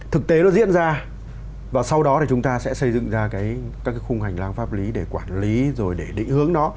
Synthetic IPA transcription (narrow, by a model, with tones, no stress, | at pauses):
t̪ʰɨ˨˩k̚t̪e˨˦nɔ˨˦zḭ˧˥ənzaː˧ | vaː˨˩sa˧wɗɔ˨˦t̪i˨˩t͡ɕʊ˨˦ŋ͡mt̪aː˧sɛ̰˧˥sə˧jzɨ̰˧˨ŋzaː˧kaː˨˦jkaː˦˥kːaː˨˦jxʊ˧ŋ͡mha˨˩jŋ̟laː˧ŋfaː˦˥p̚li˨˦ɗe˧˩kwaː˧˩nli˨˦zo˨˩jɗe˧˩ɗḭ˧˨ŋ̟hɨ˨˦əŋnɔ˨˦